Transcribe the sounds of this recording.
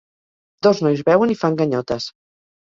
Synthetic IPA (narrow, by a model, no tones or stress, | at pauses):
d̪oznɔjzβɛwənifaŋɡəɲɔt̪əs